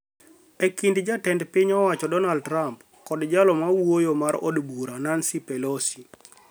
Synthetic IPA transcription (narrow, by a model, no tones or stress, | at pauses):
ɛkindd͡ʒatɛndpiɲɔwat͡ʃɔdɔnaldɾamp | kɔdd͡ʒalɔmawojomaɾɔ̰dbuɾanansipɛlɔsi̥